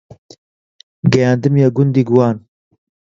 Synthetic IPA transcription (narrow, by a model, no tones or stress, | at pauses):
ɡɛjaːnd̪ɨmjaɡʊnd̪iːɡuwɑːn